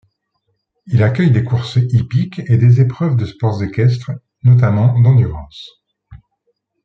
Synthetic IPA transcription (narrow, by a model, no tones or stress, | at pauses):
ilakʲœjd̪ekuʁsipiked̪ezepχœvd̪əspɔʁzekʲɛs̬t̪χ | nɔt̪̬amɑ̃d̪ɑ̃d̪yʁɑ̃s